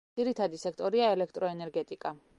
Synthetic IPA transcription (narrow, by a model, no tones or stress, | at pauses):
iɾit̪ʰad̪isɛk̚ʰt̪ʼɔɾiaɛlɛkʰt̪ʼɾɔɛnɛɾɡɛt̪ʼikʼa